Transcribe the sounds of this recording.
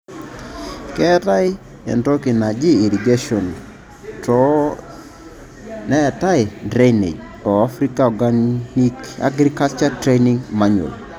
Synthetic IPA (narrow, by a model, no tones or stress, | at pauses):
kɛtai | ɛ̰ntokinad͡ʒiiɾiɡeʃɔn | tɔ | nɛtajdɾenḛd͡ʒ | ɔafɾikaɔɡannika̰ɡɾikalt͡ʃatɾeniŋmaɲo̰l